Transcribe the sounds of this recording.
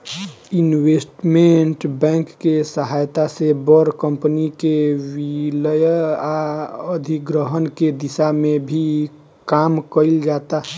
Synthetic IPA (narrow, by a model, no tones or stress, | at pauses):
inwesʈmeɳʈbɛ̃ŋkːesəɦaːjt̪asebəɾkəmpənikewiləjaəd̪ʱiɡɾəɦənked̪isamẽbʱi | kaːmkəɪld͡ʒaːt̪a